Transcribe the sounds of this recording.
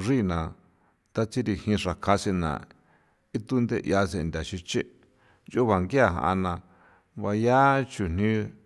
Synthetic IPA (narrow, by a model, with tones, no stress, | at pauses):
ʐi˦˨nã˨ | t̪a˦t͡si˦ɾi˧hĩ˧ʂa˨kʰa˧si˧nã̰˨ | i˦t̪u˦nd̪e˦˧ʔja˧s̬e˧˨nd̪ʲa˨ʃi˧t͡ʃe˦ | jo˦βa˨ŋɡi˦a˦˧˨ɦã̰˧ʔa̰˧nã˧ | βa˧ja˦t͡ʃu˨n̥nĩ˦